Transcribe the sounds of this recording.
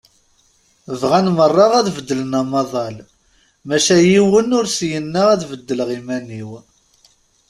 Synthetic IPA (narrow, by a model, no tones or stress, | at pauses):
vʁænmərˤːɑʁæðvəd̪ːələnɑmɑðˤɑl | mæʃæjiwənʊɾsjənːəʁæðvəd̪ːəlʁimæniw